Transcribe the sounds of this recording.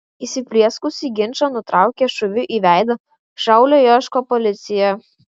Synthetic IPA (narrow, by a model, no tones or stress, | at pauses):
iːsʲɪpʲlʲiɛskʊsʲiɡʲɪnʲt͡ʃɐnʊt̪ɾʔɑˑʊkʲeːʃʊʋʲʊʔiːʋʲæˑɪd̪ɐ | ʃɐˑʊlʲoːjoʃkoːpɔlʲɪt̪sʲɪjɛ